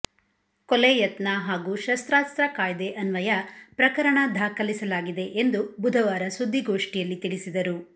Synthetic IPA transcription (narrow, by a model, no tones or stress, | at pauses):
kɔlɛjɐt̪nɐɦaːɡuːʃɐst̪ɾaːst̪ɾɐkaːjd̪eʔɐnʋɐjɐpɾɐkɐɾɐɳɐd̪ʱaːkɐlisɐlaːɡid̪e̞ʔend̪ubud̪ʱɐʋaːɾɐsud̪ʱːiɡoːʂʈijɐlːit̪iɭisid̪ɐɾu